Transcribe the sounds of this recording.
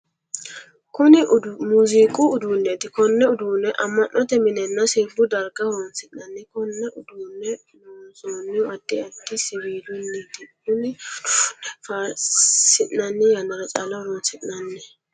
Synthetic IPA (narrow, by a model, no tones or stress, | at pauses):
kʊnɪmuːzikʼʊːd̪uːnːɛt̪ɪkɔnːɛʊd̪uːnːɛʔɐmːɐnʔɔt̪ɛmɪnɛnːɐsiːfʊd̪ɐɾɡɐhɾɔnsɪʔnɐnːɪkɔnːɛʔʊd̪uːnːɛ | noːnsoːnːɪɐd̪ːɪɐd̪ːɪsɪbiːd̪ʊnːit̪ɪ | ʊnɪnɛfasɪʔnɐnːɪjɐnɐɾɐt͡ʃʼalɐhʊɾɔnsɪʔnɐnːɛ